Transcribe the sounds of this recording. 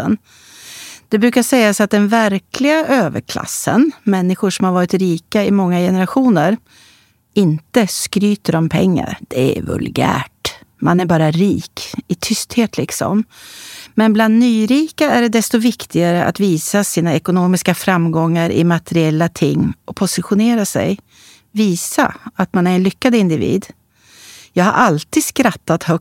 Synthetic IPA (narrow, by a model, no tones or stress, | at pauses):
ən | d̪̥ɛbɾʉ̟ːkaʂɛjːasat̪̚d̪ɛnvæɾkʰlɪɡaʔøːvə̰ɾkʰla̰sːə̰nmɛnːɪɧʊʂɔmhaɾvɑːɾɪt̪ɾiːkaɪmɔŋːajɛnəɾaɧuːnəɾ | ɪnt̪əskɾyːt̪əɾɔmpʰɛ̰ŋːa̰ɾd̪̥ɛæ̰vɵ̰lɡæ̰ːʈmanæɾbɑːɾaɾiːkɪt̪ʰʏst̪heːt̪ʰlɪksɔ̰m | mɛnbland̪nyːɾiːkaæɖɛd̪ɛst̪ɔvɪkt̪ʰɪɡaɾəʔa̰t̪viːsasiːnaɛkʊnoːmɪskafɾamɡɔŋːaɾʔɪ̰mat̪ɛɾɪɛlːat̪ʰɪŋːɔpʰʊsɪɧʊneːɾasɛ̰j | viːsa̰at̪manæɾɛnlʏkːad̪ɪnd̪ɪvḭːd̪ | jɑːɡha̰ɾʔalt̪iːd̪skɾat̪ːat̪hœ